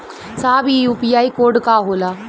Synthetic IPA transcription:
saːbijuːpijajkoːɖkaːɦola

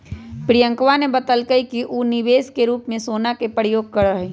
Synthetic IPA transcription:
pɾijə̃ŋkʋanebət̪əlkəikiʔuːnɪʋeːskeɾuːpmẽsoːnakepəɾɪjoːɡ̚kəɾəɦe

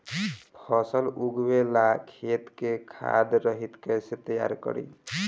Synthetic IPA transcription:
pʰɔsəluɡbelakʰet̪kekʰa̰d̪ɾəɦit̪kəjset̪əja̰ɾkə̰ɾḭ

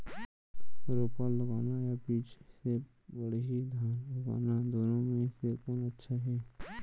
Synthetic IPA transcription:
ɾoːpaːlːəɡaːnajabiːt͡ʃse | bəɽɦid̪ʱaːnləɡa̰ːnad̪oːnõmẽsekoːnətːʃʰaɦɛː

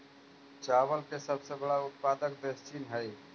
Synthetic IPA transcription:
t͡ʃaːwəlkesəbsebəɽaʊt̪̚paːd̪ək̚d̪est͡ʃʰiːnɦɛj

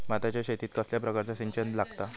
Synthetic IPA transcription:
mat̪at͡ɕjaɕet̪iːt̪kəsljapɾəkaɾt͡sasiɲt͡ɕənd̪laɡt̪a

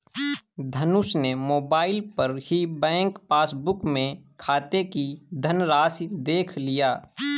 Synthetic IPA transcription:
d̪ʱənʊsnemoːbaːɪlpəɾhibɛ̃ːŋkpaːsbʊkmẽkʰaːt̪ekid̪ʱənɾaːsd̪eːkʰlijaː

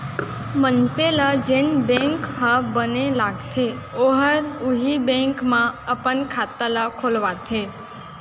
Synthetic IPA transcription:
mənselad͡ʒenbɛ̃ŋkɦəbənelaɡt̪ʰeoɦəɾuɦibɛ̃ŋkmãəpənkʰat̪əlakʰolʋat̪ʰe

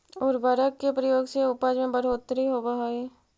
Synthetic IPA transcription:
ɔːɾbaɾəkːepɾəjoːɡseʊpaːd͡ʒmẽbəɽ̤oːt̪ːɾiɦobaɦae

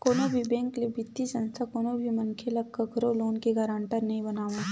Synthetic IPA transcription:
koːnobʱibɛ̃ːŋklebɪt̪ːisɐ̃nst̪ʰakoːnobʱimɐnkʰelɐɡ̚kɐɡʱɐɾoloːnkeɡaːɾãːɳʈəɾnɐɦĩbɐnaːʋã

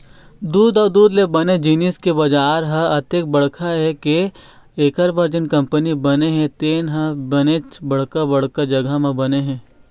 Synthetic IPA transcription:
d̪uːd̪aːd̪uːd̪lebɐned͡ʒiniskebɐd͡ʒaːɾɦɐɐt̪ek̚bɐɽkʰaɦɛke | eːkəɾbaɾd͡ʒɪnkɐ̃mpənibɐneɦɛ̃t̪eːnɦɐbɐnet͡ʃbɐɽ̤kabɐɽkad͡ʒɐɡamẽbɐneɦɛ̃ː

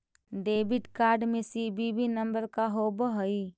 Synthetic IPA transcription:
ɖeːbiʈkaːɾɖmẽsibibinəmbəɾkaɦobəɦəi

